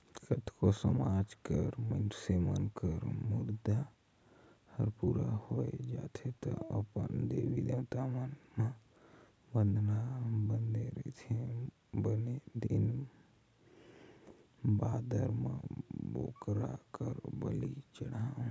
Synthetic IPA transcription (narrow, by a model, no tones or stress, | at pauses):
kət̪ʰkosəmad͡ʒkəɾmənsemənkəɾmuɾd̪a | həɾpuɾahoed͡ʒat̪ʰet̪əəpənd̪ebid̪ewt̪amənmə | bənd̪ʱnabənd̪eɾə̰t̪ʰe | bəned̪in | bad̪əɾmebo̰kɾa̰kəɾbəlit͡ʃəɽaũ